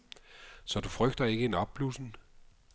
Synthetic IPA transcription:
sɒ̽d̥ufʁœɡ̥̚d̥ɐe̝ɡ̥əe̝nɒb̥̚b̥lusn̩

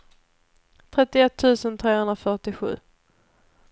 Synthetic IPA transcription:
t̪ʰɾɛt̪ːɪɛt̪ʰːʉ̟ːsənt̪ʰɾeːhɵnd̪ɾafœʈɪɧʉ̟ː

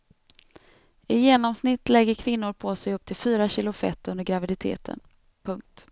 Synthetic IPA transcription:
ɪjeːnɔmsnɪt̪ːlɛɡːəɾkʰvɪn̪ːʊɾpʰosɛjɵp̚ːt̪ʰɪlfyːɾaɕɪlːʊfɛ̰t̪ːɵnd̪əɾɡɾavɪd̪ɪt̪ʰḛːt̪ʰə̰n | pʰɵŋk̚t̪

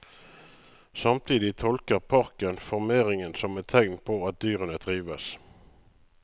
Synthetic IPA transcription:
sɑmt̪ʰiːd̪ɪt̪ʰɔlkəʁpʰɑʁkənfɔʁmeːʁɪŋənsɔmɛt̪ʰɛŋnpʰoːɑt̪̚d̪yːʁənəd̪ʁiːʋəs

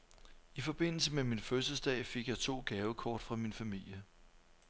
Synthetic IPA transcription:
ifɒ̽b̥e̝n̰l̩səmeminføsɐsd̥ɛ̰ːfe̝ɡ̥jɑ̈ɪt͡sʰo̝̰ːɡ̥ɛːʊəkʰɒ̰ːd̥fʁɑ̈minfæmil̰jə

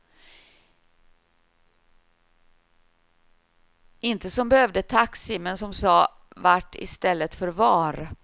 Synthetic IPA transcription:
ɪnt̪əsɔmbɛhœvd̪ət̪ʰaksɪmɛnsɔmsɑː | vaʈːɪ̰st̪ɛlːət̪fœɾvɑːɾ

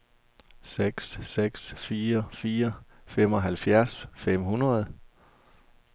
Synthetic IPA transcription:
seɡ̥sːeɡ̥sfiːɐfiːɐ | fem̰ɒ̽ɦælfjæɐsfem̰hunʁɐð̞̩ˠ

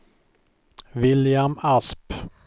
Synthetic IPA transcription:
vɪljamasp

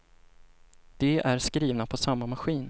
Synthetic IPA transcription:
d̪̥ɛʔæɾskɾiːvnapʰɔsamːamaɧiːn

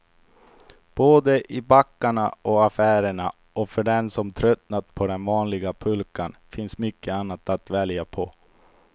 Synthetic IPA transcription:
b̥oːd̪əʔɪbakːaɳaɔafæːɾəɳa | ɔfœɖɛnsɔmt̪ʰɾœt̪nat̪pʰɔd̪ɛnvɑːnlɪɡapʰɵlkanfɪnsmʏkːəanːat̪at̪vɛljapʰɔ

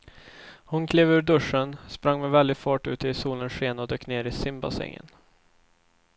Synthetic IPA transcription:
hʊnkʰleːvʉ̟ːɖɵʂːənspɾaŋːmɛvɛld̪ɪfɑːʈːʉ̟̰ːt̪əɪsuːlənʂeːnɔd̪øːkneːɾɪsɪmba̰sɛ̰ŋːə̰n

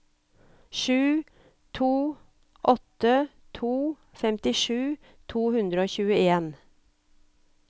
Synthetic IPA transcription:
ʃʉː | t̪ʰuː | ʔɔt̪ə | t̪ʰuː | fɛmt̪ɪʃʉː | t̪ʰuːhʉnd̪ɾəoːçʉːəeːn

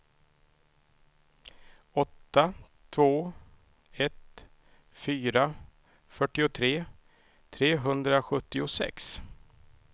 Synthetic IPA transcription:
ɔt̪ːa | t̪ʰvoː | ɛt̪ | fyːɾa | fœʈːɪʊt̪ʰɾeː | t̪ʰɾeːɦɵnd̪ɾaɧɵt̪ːɪʊsɛ̰ks

